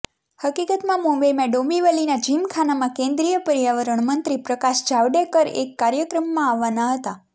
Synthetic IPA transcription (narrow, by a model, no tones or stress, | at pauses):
həkikət̪mãmõbemɛ̃ɖõmiʋəlinad͡ʒimkʰanamãkẽnd̪ɾijəpəɾjaʋəɾəɳmənt̪ɾipɾəkaʃd͡ʒaʋɖekəɾḛkːaɾjəkɾəmːãaʋːanaɦət̪a